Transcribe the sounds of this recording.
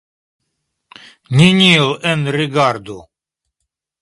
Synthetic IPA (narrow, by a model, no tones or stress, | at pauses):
nʲinʲilˠɛnriɡard̪u